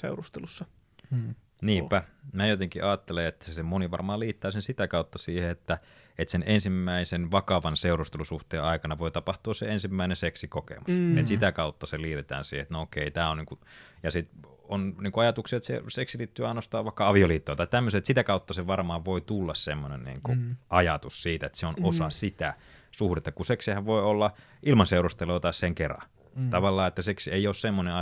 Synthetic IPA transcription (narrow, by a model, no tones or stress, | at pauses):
sḛurust̪elusːɑ | niːmpæmæjot̪eŋkiʔɑːt̪ːeleet̪ːæsemoniʋɑ̰rmɑːliːt̪ːɑːsensit̪ækɑut̪ːɑsiːheet̪ːæ | et̪senʔensimːæisenʋɑkɑʋɑnseurust̪elusuht̪eːɑikɑnɑʋoit̪ɑpɑht̪uɑssḛensimːæinenseksikokḛmuset̪sit̪ækɑut̪ːɑseliːt̪et̪æ̰ːnsiːheet̪nookeit̪æːonniːŋkujɑsit̪ | onniːŋkuɑjɑt̪uksiɑet̪sḛseksiliːt̪ːyːɑinost̪ɑːʋʋɑˑikːɑɑʋioliːt̪ːoˑːt̪ɑit̪æmːøseet̪sit̪ækɑut̪ːɑseʋɑrmɑːʋʋoit̪ulːɑssemːonḛnnḭːŋkuʔɑjɑt̪ussiːt̪æet̪seonosɑsit̪æ | suhret̪ːɑkuseksihæʋʋoiolːɑ | ʔilmɑnseurust̪eloːt̪ɑisseŋkerɑ̰ | t̪ɑʋɑlːɑːet̪ːæseksieioːssemːoneɑ